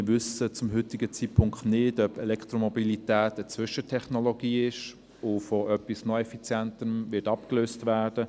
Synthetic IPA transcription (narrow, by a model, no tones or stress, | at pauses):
ɪʋʏsət͡sʊmɦʏtiɡət͡sit̚pʰʊŋkχtnɪdœbɛlɛkt̪ɾomobilitæːtət͡svʏʃətʰɛχnoloɡiːɪʃ | ʊfɔœpːisnɔɛfit͡sjɛntəmvɪtɑpkløːstvæːd̥ə